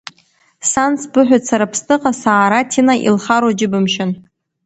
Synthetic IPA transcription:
sansbɨħᶣat͡sʰaɾapʰstʰʼɨqʼasaːɾatʰinaʔḭlχaɾwad͡ʒɪbɨmʃɪn

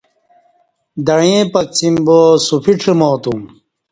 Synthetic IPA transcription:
d̪ɐɻẽpɐk̚t͡simboːsufiʈ͡ʂʰemoːt̪um

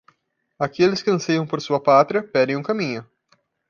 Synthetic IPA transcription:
akelɪskɪɐ̃sejɐ̃w̃poɾsuɐpat̪ɾʲiɐpɛd̪ẽj̃ũkɐmĩɲʊ

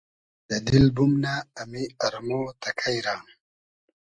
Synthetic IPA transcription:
d̪̥əd̪ilbumnaːmiaɾamoːt̪akʰajɾaːn

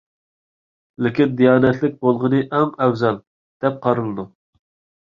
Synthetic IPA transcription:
lɪkʲind̪ijɑːnɛt̪ʰlɪk̚ʲbolˠʁənɨʔɛmɛwzɑlˠ | d̪̥ɛp̚qʰɑɾɨlˠɨd̪u

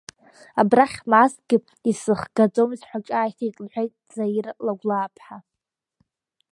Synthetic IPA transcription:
abraχʲmasɡʲɪ | isɨχɡad͡zomizħʷaʈ͡ʂʼaːjtʰajtʼlħʷᶣejtʼd͡zajirlaɡʷlaːpʰħa

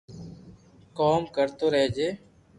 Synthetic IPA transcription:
koːmkəɾt̪oːɾəɦed͡ʒeː

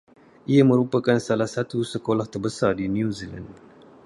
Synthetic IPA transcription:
ʔijamə̃ɾupakansalahsat̪usəkolaht̪ərbəsardinjuzila̰nd

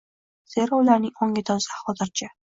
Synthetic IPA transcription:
z̥eɾɒʊlaɾnɪŋɒŋɡʲɪt̪ʰɒz̥ahɒzɪɾt͡ʃʰa

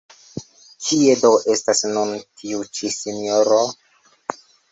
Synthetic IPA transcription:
kʰiedoʔe̞stasnuntʰiut͡ʃisinioɾo

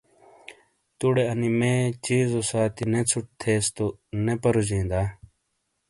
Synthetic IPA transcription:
t̪uɽeɐnimeːt͡ɕiːzosaːt̪inet͡sʰuʈ̚t̪ʰeːst̪onepɐɾud͡ʑĩːnd̪aː

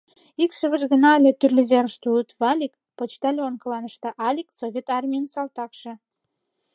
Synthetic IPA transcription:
ikʃə̆βəʒɣə̆nɑəlʲet̪yrlʲiβeɾəʃt̪uət̪vɑlʲik | pot͡ɕt̪ɑlʲeonkə̆lɑnə̆ʃt̪ɤ̆ʔɑlʲiksovʲet̪ɑrmʲijənsɑlt̪ɑkʃĕ

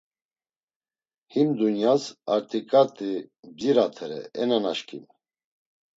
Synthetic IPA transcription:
himd̪unjasaɾt̪ʼikʼat̪ʼid͡ʒiɾat̪ʰɛɾɛ̰ɛnanaʃkʰʼḭn

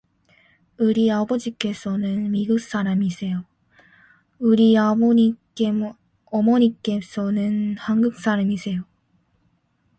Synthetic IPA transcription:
ɯɾiabʌd͡ʑik͈e̞sʰʌnɯnmiɡuk̚s͈aɾamisʰe̞jo | ɯɾi | ʌmʌɲik͈e̞sʰʌnɯnhaŋɡɯk̚s͈aɾamisʰe̞jo

